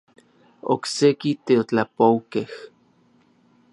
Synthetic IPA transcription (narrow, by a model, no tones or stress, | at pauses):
o̰ksekit̪eot͡ɬapowkeh